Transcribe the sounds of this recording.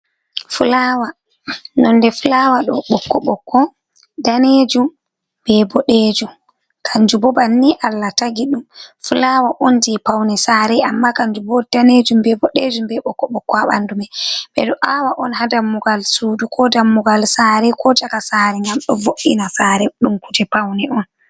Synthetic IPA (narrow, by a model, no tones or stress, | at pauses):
fulawa | nɔnːdɛfulawaɗɔɓɔkːɔɓɔkʰːɔ | daned͡ʒum | b̥ɛbɔɗed͡ʒum | kʰaɲd͡ʒubɔbanːiʔalːataɡiɗumfulawaʔondipawnɛsaɾɛamːakaɲd͡ʒubɔdaned͡ʒumbɛbɔɗed͡ʒumbɛɓɔkːɔɓɔkːɔaɓa̰ndumɛɓɛ̰ɗɔʔawaʔɔnhadamːuɡalsuːdukʰɔdamːuɡalsaːɾɛkʰɔd͡ʒakasaɾɛŋɡamɗɔvoʔinasaːɾɛɗumkud͡ʒɛpawnɛɔn